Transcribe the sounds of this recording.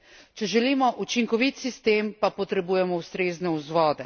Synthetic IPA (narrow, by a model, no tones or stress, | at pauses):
t͡ʃɛʒɛliːmɔʔut͡ʃiŋkɔʋit̪sist̪eːmpapɔt̪ɾɛbuːjɛmɔust̪ɾeːznɛuzʋɔːd̪ɛ